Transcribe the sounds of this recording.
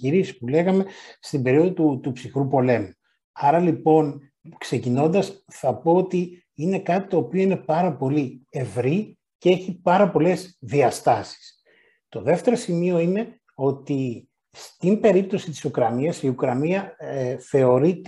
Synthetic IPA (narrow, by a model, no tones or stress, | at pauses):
iɾisi̥pule̞ɣɐme̞st̪ibe̞ɾio̞ðot̪ut̪upsixɾupo̞le̞mu | ɐɾɐlipo̞n | kse̞cino̞nd̪ɐsθɐpo̞ot̪i | ine̞kɐt̪i̥t̪o̞ːpioine̞pɐɾɐpo̞lie̞vɾi | cee̞çipɐɾɐpo̞le̞zðiɐst̪ɐsi̥s | t̪o̞ðe̞ft̪e̞ɾo̞simio̞ine̞ | o̞t̪i | st̪imbe̞ɾip̚t̪osit̪i̥sukɾɐniɐsiukɾɐniɐθe̞o̞ɾit̪